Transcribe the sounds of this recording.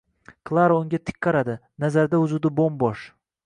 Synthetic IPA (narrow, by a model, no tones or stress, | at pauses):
kʰlˠaɾaʊŋɡʲat̪ʰɪ̥kʲʰːɑɾad̪ɪnazaɾd̪aʊzud̪abombɒʃ